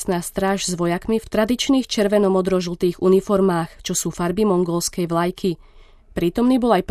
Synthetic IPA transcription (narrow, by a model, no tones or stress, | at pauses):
snaːst̪ɾaːʒzʋɔjakmift̪ɾad̪it͡ʃniːxt͡ʃɛɾʋɛnɔmɔd̪ɾɔʒl̩ˠt̪iːɣunifɔɾmaːxt͡ʃɔsuːfaɾbimɔŋɡɔlskɛjʋlajkʰi | pɾiːt̪ɔmniːbɔlajp